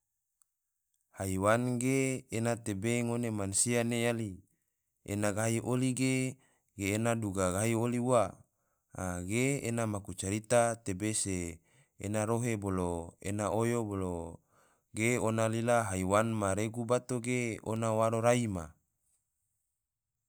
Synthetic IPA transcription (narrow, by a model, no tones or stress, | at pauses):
haiwanɡeːnat̪ebeŋonemansianejali | ḛnaɡaɦiʔoliɡe | ɡeːnaduɡaɡaɦioliuwa | a̰ɡeḛnamakut͡ʃaɾit̪at̪ebesḛː | naɾoɦeboloḛnaʔojobolo | ɡeonalilaɦaiwanmaɾeɡubat̪oɡeo̰nawaɾoɾaima